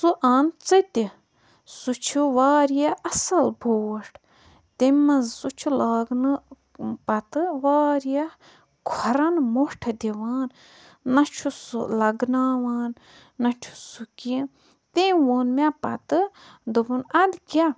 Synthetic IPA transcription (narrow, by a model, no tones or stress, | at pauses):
suʔaːnt͡sɨt̪i | sut͡ʃʰuʋaːɾjaɐsɐlbʱoːwɐʂʈʰ | t̪emɐzsut͡ʃʰulaːɡnɨ | pɐt̪ɨʋaːɾjɐ | kʰɔɾɐnmoʂʈʰɐd̪ʲiʋaːnː | ɐt͡ʃʰusṵlɐɡnaːʋaːnː | ɐt͡ʃʰu̥suki | t̪ẽwoːnmʲapɐt̪ɨd̪ɨbunɐd̪kʲa